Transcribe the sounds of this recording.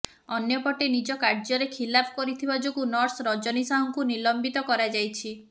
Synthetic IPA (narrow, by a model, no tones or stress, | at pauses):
ɔnjɔpɔʈenid͡ʒɔkaɾd͡ʒɔɾekʰilapʰkɔɾit̪ʰibad͡ʒokunɔɾsɾɔd͡ʒɔnisaɦɔŋkunilɔmbit̪ɔkɔɾad͡ʒajt͡ʃʰi